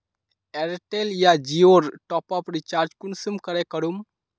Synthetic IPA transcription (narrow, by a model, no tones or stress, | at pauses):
eɾʈeljad͡ʒioɾʈɔpɔpɾit͡ʃaɾd͡ʒkunsəmkəɾekəɾum